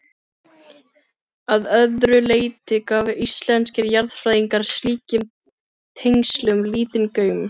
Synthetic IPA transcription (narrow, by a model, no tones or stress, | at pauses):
aðœðɾʏleːjt̪ɪkaːvɪʔist̪lɛnscɪɾjaɾðfɾaːjðiŋkaɾ̥sliːcɪm | t̪ʰejŋslʏʏmliːt̪ɪnkœːɥmʏ